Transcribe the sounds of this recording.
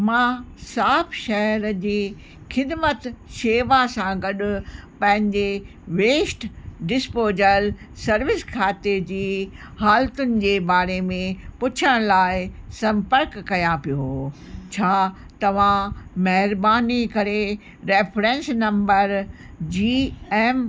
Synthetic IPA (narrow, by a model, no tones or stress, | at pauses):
mãːsaːpʰʃɐɦɾd͡ʑiː | xɪd̪mət̪ʃeːʋasãɡɐɗʊ̆pɐ̃ɦɪ̃ɲd͡ʑe | ʋeːsʈɖɪspoːd͡ʑəl | sɐɾʋɪskʰaːt̪ed͡ʑiːhaːlt̪ʊnɪ̆d͡ʑeːbaːɾemẽpʊt͡ɕʰəɽ̃laːɪsɐ̃mpəɾkːɐjãpijot͡ɕʰaː | t̪ɐʋ̤ãmɐɦɪɾbaːnikɐɾe | ɾeːfʰɾẽːnsnɐ̃mbəɾ | d͡ʑiːeːm